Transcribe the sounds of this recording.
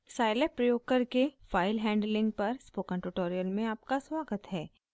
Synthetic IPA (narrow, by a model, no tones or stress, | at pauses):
saːɪlepɾɐjoːɡ̚kəɾkefaːɪlɦɛ̃ːɳɖlɪ̃ŋɡ̚pɐɾspoːkə̃ɳʈʊʈoːɾijəlmẽaːp̚kaswaːɡət̪ɦɛː